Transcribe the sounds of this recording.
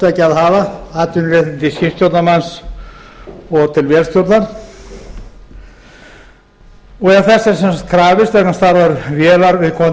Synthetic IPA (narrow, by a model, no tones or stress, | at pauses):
t̪acɪaðɦaːvaat̪ʏnrɪht̪ɪnt̪ɪlscɪst̪jowt̪namans | ɔɣt̪ʰɪlvjɛːlst̪jowt̪naɾ̥ | ɔɣɛθɛsːaɛɾ̥sɛnsakt̪̚kʰɾaːvɪst̪ɛhkanst̪aɾvaɾvjɛːlaɾvɪðkʰɔː